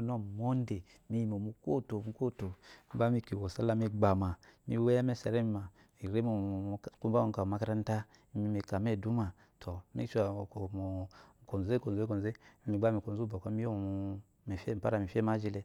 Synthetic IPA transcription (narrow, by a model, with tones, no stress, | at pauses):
no˦˨mo˦n˦de˨ | mi˦ji˨mo˨mu˨ko˦to˨mu˦ko˦to˨mi˦ɡ͡ba˦mi˦ki˨wo˨sa˦la˦mi˦ɡ͡ba˨ma˨mi˦we˦a˦me˦˨sa˨ɾe˦mi˨ma˨ | i˨ɾe˦mo˨ku˦ba˦u˦˨ka˨ma˨ka˦ɾa˦n˦ta˦ | mi˦mi˨ka˨me˦˨du˦ma˨ | tʰo˨mḭ˦ʃa˨ko˨mo˨ko˨˦e˦ko˨ze˦ko˨ze˦i˦mi˨ɡ͡ba˦mi˨ko˨nzu˦bo˨ka˦mi˦o˦˨ | mi˨fe˦m̩˨pa˦ɾa˨mi˨fe˦ma˦d͡ʒi˦le˦